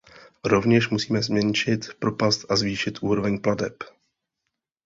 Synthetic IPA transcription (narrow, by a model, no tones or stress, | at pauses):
ɾo̞vɲɛʃmusiːmɛzmɲɛnʃɪt̪pɾo̞past̪ʔazviːʃɪt̪ʔuːɾo̞vɛɲpladɛp